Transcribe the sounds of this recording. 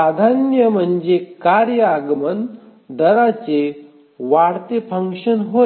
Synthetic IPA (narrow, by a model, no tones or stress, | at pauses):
ad̪ʱanjəm̤ənd͡zekaɾjəaɡmənd̪əɾat͡se | ʋaɽt̪efʰəŋkʂənɦo